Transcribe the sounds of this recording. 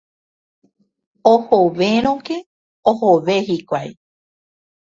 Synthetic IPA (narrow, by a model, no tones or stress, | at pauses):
ohoʋeɾ̃õke | ohoʋehikʷaj